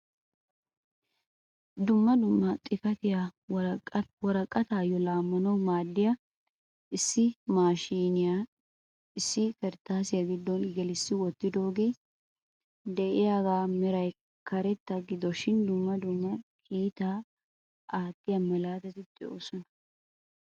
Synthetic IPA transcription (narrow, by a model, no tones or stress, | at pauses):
d̪ʊmːɐd̪ʊmːɐt̪ʼɪkɐt̪ɪja | wɔɾɐkʼːɐt̪aːjɔlaːmːɐnɐwmaːd̪ːɪjɐ | ɪsːɪmaːʃiːnɪja | ɪsːɪkɛɾt̪ːaːsɪjɐɡɪd̪ːɔnɡɛlɪsːɪwɔt̪ːɪd̪o̞ːɡe̞ː | d̪ɛʔɪjaːɡaːmɛɾɐj | kɐɾɛt̪ːɐɡɪd̪ɔʃɪnd̪ʊmːɐd̪ʊmːɐkiːt̪aː | ʔaːt̪ːɪjɐmɐlaːt̪ɛt̪ɪt̪ʼɪʔoːsɔnɐ̥